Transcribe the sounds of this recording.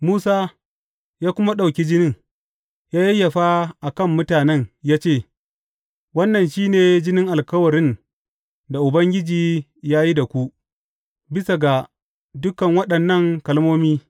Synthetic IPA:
muː˦saː˦ | jaː˦kʷʊ˦ma˦ɗa˨kʲi˦d͡ʒɪ˦nɪ˦ŋ | jaː˦ji˦jɐ˨ɸa˦ʔa˨kɐ˦˨mːʊ˦taː˨nɛ˦ɲjaː˦t͡ʃeː˦˨ | wɐ˦nːɐ˨nʃiː˦neː˨d͡ʒɪ˦nɪ˦ŋʔa˨lkɐ˦wɐ˨ɾɪ˦n | da˨ʔʊ˨bɐ˦ŋɡʲɪ˦d͡ʒiː˨ | jaː˦ji˦da˨kʷu˦ʔ | bɪ˦sa˨ɡa˨ | dʊ˦kɐ˨ŋwɐ˦ɗɐ˨nːɐ˦˨ŋkɐ˨lmoː˦miː˦

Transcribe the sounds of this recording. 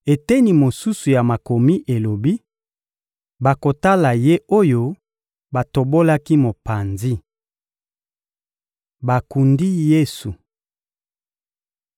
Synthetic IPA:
e˨tɛ˦ni˨mo˨su˦su˨ja˨ma˨ko˨mi˦ʔe˨lo˨bi˦ | ba˨ko˨ta˦la˨je˦o˦jo˦ | ba˨to˨bo˦la˦ki˦mo˨pa˨nzi˦ | ba˨ku˨ndi˦je˦su˨

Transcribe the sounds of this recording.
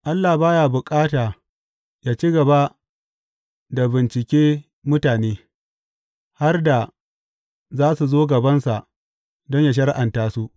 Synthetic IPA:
ʔa˦lːa˨baː˦jaː˨bʊ˨kʼaː˦taː˨ | jaː˦t͡ʃi˦ɡɐ˨ba˦ | da˨bɪ˨nt͡ʃɪ˨kʲeː˦ | mʊ˦taː˨neː˦ | ha˦rda˨ | zaː˦su˨zoː˦ɡɐ˨bɐ˦nsa˨ʔ | dɔ˦ɲja˨ʃ̬ɐ˦ɽʔa˨ntaː˦su˦ʔ

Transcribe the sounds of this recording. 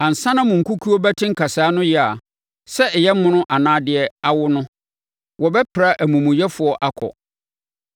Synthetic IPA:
ã˨n̩˨sã˦nã˦mʊ̃˨ŋ̩˨ku˦kʰu˦ɔ˦bæ˦tʰɪ̃˦ŋ̩˦kʰa˨saː˨˦nʊ̃˦jɪ˦a˨ | sɛ˦ɛ˨jɛ˦mʊ̃˦nʊ̃˦ʔa˨nãː˦dɪ˨ɛ˦a˦wʊ˦nʊ̃˦ | wɔ˨bɛ˦pʰɾa˦ʔæ˨mũ˨mʊ̃˨jɛ˦fʊ˨ɔ˦ʔa˦kʰɔ̰˨

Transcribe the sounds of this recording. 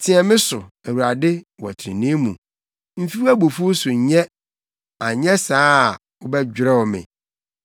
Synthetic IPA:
tʰɪ̃˨ɛ˨mɪ̃˦sʊ˨æ˨wu˨ɾa˨dɪ˦wɔ̰˨tʰɾɪ̰̃˨nĩ˦mũ˨ | m̩˦fi˦wæ˦bo˨fu˦sʊ˨ɲ˨ɲɛ̃˦ | a˨ɲɛ̃˦saː˦˨ | ʊ˦bɛ˦d͡ʑᶣɾɛ˦wɔ˨mɪ̰̃˨

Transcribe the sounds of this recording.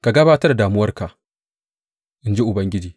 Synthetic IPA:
ka˨ɡɐ˦baː˦tɐ˦da˨daː˨mʊ˦wɐ˦rka˨ʔ | ʔɪ˦nd͡ʒi˦ʔʊ˨bɐ˦ŋɡʲɪ˦d͡ʒiː˨

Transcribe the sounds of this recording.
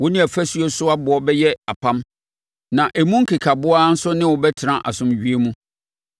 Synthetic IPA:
wɔ˦nɪ̃˦æ˨fæ˦sɥo˦sʊ˦a˦bʊ˨ɔ˦bɛ˦jɛ˦a˨pʰã˦m | nã˨ʔæ˨mũ˦ŋ̩˦kʰe˨kʰa˨bʊ˦aː˦n̩˦sʊ˦nɪ̃˦wɔ˨bɛ˦tʰɪ˨ɾã˦˨ʔa̰˨sʊ̃˨mɥi˦e˦mũ˦

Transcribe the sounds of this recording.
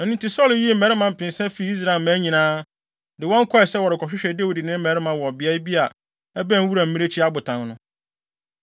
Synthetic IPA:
ɛ˨nĩ˦nti˦sɔ˦lji˦e˦m̩˦˨ɛ˨ɾɪ˦mã˨m̩˨pʰɪ̃˨nsɛ̃˦fi˨˦i˦s̬ɾa˨ɪ˨lmã˦ɲĩ˨nãː˦ | dɪ˨wɔ̃˦ŋ̩˦kʰɔ˦ɛ˨sɛ˦wɔ˨ɾɪ˨kʰɔ˨ɕᶣɪ˦ɕᶣɛ˨de˦wi˨di˨nɪ̃˦m̩˦ɛ˨˦ɾɪ˦mã˨wɔ˨bɪ˨a˦ɪ˦bi˦a˨ | ɛ˦bæ̃˦wu˦ɾa˨m̩˦mĩ˦ɾe˦t͡ɕʰi˦a˦bʊ˨tʰã˨nnʊ̃˦

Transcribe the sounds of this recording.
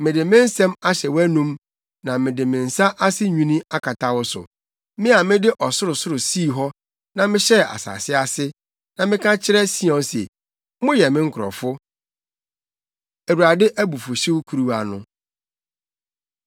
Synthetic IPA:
mɪ̃˨dɪ˨mɪ̃˦n̩˦sɛ̃˦ma˦ɕɛ˨wæ˦nũ˦m | nã˨mɪ̃˨dɪ˨mɪ̃˨n̩˨sa˦ʔa˦sɪ˦ɲᶣũ˦nĩ˦a˦kʰa˨tʰa˦wʊ˦sʊ̰˨ | mɪ̃˦a˨mɪ̃˦dɪ˦ʔɔ˨sʊ˦ɾʊ˨sʊ˦ɾʊ˨siː˦˨ɦɔ˦ | nã˨mɪ̃˦ɕɛ˦a̰˨sa̰ː˨sɪ˦a˦sɪ˦ | nã˨mɪ̃˦kʰã˦t͡ɕʰɪ˦ɾɛ˦si˦ɔ̃˨˦sḛ˨˦ | mʊ̃˦jɛ˨mɪ̃˦ŋ̩˦kʰʊ˨ɾɔ̰˨fʊ˦ | æ˨wu˨ɾa˨dɪ˦ʔæ˦bu˨fʊ˨ɕɪ˦wʊ˦kʰu˨ɾu˦wa˨nʊ̰̃˨

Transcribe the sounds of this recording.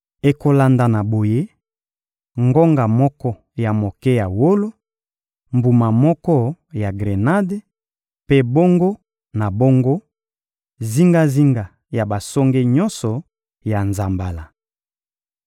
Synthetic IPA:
e˨ko˦la˨nda˨na˨bo˨je˦ | ŋɡo˦ŋɡa˨mɔ˦kɔ˦ | ja˨mo˨kɛ˦ja˨wo˦lo˦ | mbu˨ma˨mɔ˦kɔ˦ja˨ɡʁe˨na˦de˦ | pe˦bo˦ŋɡo˦ | na˨bo˦ŋɡo˦ | zi˦ŋɡa˦zi˦ŋɡa˨ | ja˨ba˨sɔ˦ŋɡe˦ɲɔ˦nsɔ˨ | ja˨nza˨mba˨la˨

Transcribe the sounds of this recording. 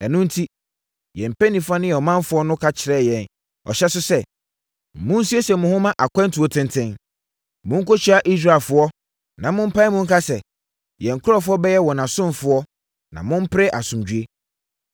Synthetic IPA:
ɛ˨nʊ̃˦n̩˦tʰi˦ | jɛ̃˨m̩˨pɛ˦nĩ˨fa˦nɪ̃˦ɛ˨ɔ˨mã˦m˦fʊ˦ɔ˦nʊ̃˦kʰa˦t͡ɕʰɪ˨ɾɛ˦˨jɛ̃˨n | ɔ̰˨ɕɛ˦sʊ˦sɛ˦˨ | mʊ̃˦n̩˦su˦e˦sɛ˨mʊ̃˨hʊ̃˦mã˦ʔa˨kʰɛ̃˦ntʰu˨ɔ˦tʰɪ̃˦ntʰɪ̃˦n | mʊ̃˦ŋ̩˦ko˦t͡ɕᶣi˨a˦ʔi˦s̬ɾa˨lfʊ˦ɔ˦ | nã˨mʊ̃˦m̩˦pʰa˦i˦mʊ̃˦ŋ˦kʰa˦sɛ˨ | jɛ̃˨ŋ̩˨kʰʊ˦ɾɔ˦fʊ˦ɔ˦bɛ˦jɛ˦wɔ̃˨nã˨sʊ̃˦m˨fʊ˦ɔ˦ | nã̰˨mʊ̃˦m̩˦pɪ˦ɾɛ˦ʔa˨sʊ̃˨md͡ʑᶣɥe˦

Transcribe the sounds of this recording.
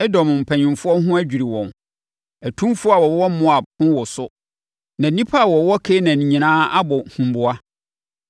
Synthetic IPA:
ɛ˦dɔ̃˨mʊ̃˨m̩˨pʰɛ̃˨ɲɪ̃˨mfʊ˦ɔ˦ɦʊ̃˦æ˦d͡ʑᶣi˨ɾi˨wɔ̃˨n | æ˨tʰũ˦mfʊ˦a˨wɔ˨˦wɔ˦mʊ̃˦a˨b̚hʊ̃˦wɔ˨sʊ˦ | nã˨nĩ˦pʰa˦a˨wɔ˨˦wɔ˦kʰe˦nã˨nĩ˨ɲĩ˨nãː˦a˦bɔ˨hũ˨m˦bʊ˨a˦

